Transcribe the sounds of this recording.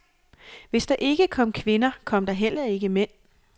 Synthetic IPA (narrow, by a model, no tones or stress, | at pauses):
ʋe̝sd̥ɑ̈ʔe̝ɡ̥əkʰɒ̽m̰kʰʋe̝nɐkʰɒ̽m̰d̥ɑ̈ɦel̰ɐe̝ɡ̥əmen̰